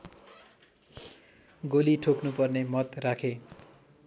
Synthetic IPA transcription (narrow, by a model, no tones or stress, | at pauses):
ɡoliʈʰoknupʌrnemʌt̪rakʰe